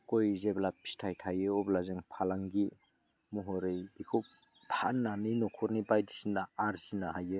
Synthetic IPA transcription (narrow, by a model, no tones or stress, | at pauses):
kojzeblapʰi̥stʰajtʰajɯɔblazeŋpʰalaŋɡi | muɦɔɾejikʰo | pʰanːanijnɔkʰɔɾnibajdisindaːɾsinaɦajɯ